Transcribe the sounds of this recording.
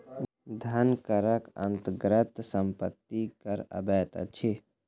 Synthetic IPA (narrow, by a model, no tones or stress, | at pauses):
d̪ʱɐnkəɾəkɐ̰nt̪ɡɾət̪səmpət̪ːikɐɾɐ̰bɛːt̪a̰t͡ʃʰe